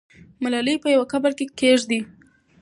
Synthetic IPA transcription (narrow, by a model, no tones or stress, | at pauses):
malalipəjawakabaɾkekeʐd̪i